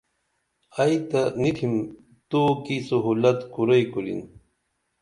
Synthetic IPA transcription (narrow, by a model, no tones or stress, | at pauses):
ɐit̪ɐnitʰim | t̪okisuɦuːlɐt̪kuɾɐjkulḭn